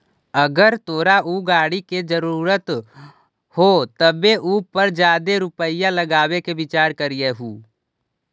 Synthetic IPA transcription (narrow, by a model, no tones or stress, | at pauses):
əɡəɾt̪oːɾaʔuɡaːɽiked͡ʒəɾuːɾət̪ | hot̪əbeʔuːpəɾd͡ʒjaːd̪eɾʊpəɪjaləɡaːwekebɪt͡ʃaːɾkəɾijeɦuː